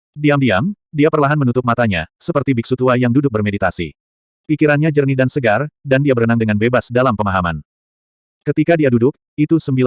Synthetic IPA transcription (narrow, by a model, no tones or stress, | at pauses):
diamdiam | diapərlaɦanmənut̪ʊp̚mat̪aɲa̰səpərt̪ibik̚sut̪uajaŋdudʊk̚bərmedit̪asḭ | pikiɾanɲad͡ʒərnidansəɡardandiabəɾənaŋdəŋanbebasdalampəmaɦama̰n | kət̪ikadiadudʊk̚ | it̪usəmbil